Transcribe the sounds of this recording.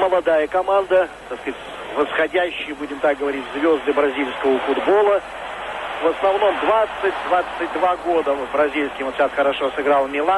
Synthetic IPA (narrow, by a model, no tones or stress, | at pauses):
məlˠɐd̪ajəkɐmand̪ət̪askatʲ | vəsxɐdʲæɕːɪjəbudʲɪmt̪ak̚ɡəvɐɾʲitʲzvʲo̞zd̪ɨbɾɐzʲilʲskəvəfʊd̪bo̞lˠə | vəsnɐvno̞md̪vat̪sɨt̚ʲd̪vat̪sɨt̚ʲd̪vaɡo̞d̪əvbɾɐzʲilʲskʲɪoɕasxəɾɐʂosɨɡɾalˠmʲɪlˠa